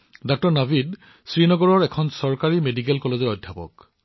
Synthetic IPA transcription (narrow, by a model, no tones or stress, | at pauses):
dɔk̚tɔɹnabʱid | sɹinɔɡɔɹɔɹɛkʰɔnsɔɹkaɹimedik̬ɛlkɔlezɔɹɔjdʱjapɔ̰k